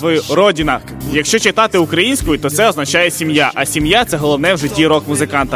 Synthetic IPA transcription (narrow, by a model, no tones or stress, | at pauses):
ʋɔjuɾɔdʲinɐ | jɐkʃt͡ʃɔt͡ʃɪt̪ɑt̪ɪʊkɾɐjinʲsʲkʊjʊt̪ɔt̪sɛɔznɐt͡ʃɑjɛsʲimjaʔɐsʲimjat̪sɛɦɔlˠɔʋnɛwʒɛdʲiɾɔkmʊzɪkɑnt̪ɐ